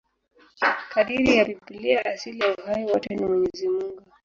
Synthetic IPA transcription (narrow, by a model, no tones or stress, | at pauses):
kaɗiɾijapipiliaʔasilijauɦajiwatɔnimwɛɲɛzimuɡuu